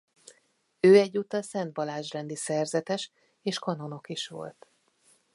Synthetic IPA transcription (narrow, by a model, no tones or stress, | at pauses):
øːɛɟːut̪ːɒsɛnt̪bɒlaːʒrɛnd̪isɛrzɛt̪ɛʃ | eːʃkɒno̞no̞kiʃʋo̞̰lt̪